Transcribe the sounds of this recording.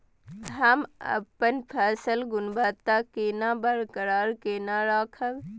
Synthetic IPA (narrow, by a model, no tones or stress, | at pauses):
ɦəmə̰pːənpʰɛːsəlɡʊnbət̪ːakeːnabəɾkəɾaːɾkeːnaɾaːkʰəʋ